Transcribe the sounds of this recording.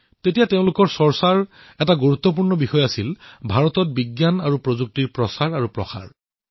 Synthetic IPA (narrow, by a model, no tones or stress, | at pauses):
tetijateʊ̃lʊkɔɹsɔɹsaɹ | ɛtaɡuɹut̪ːɔp̬uɹnɔbixɔjasilbʱaɹɔtɔt̚biɡjanaɹupɹozuk̚tiɹpɹɔsaɹaɹupɹɔ̰xa̰ɹ